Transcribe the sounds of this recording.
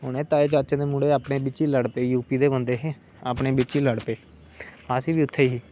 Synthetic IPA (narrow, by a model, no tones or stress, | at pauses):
ɦʊnẽːt̪aːeːt͡ʃaːt͡ʃãːd̪eːmuːɽeːaːpɳeːbɪt͡ʃiːləɽpeːjuːpiːd̪eːbənd̪eːɦẽː | aːpɳeːbɪt͡ʃiːləɽpeː | aːsiːʋiːʊt̪ʰːeːɦiː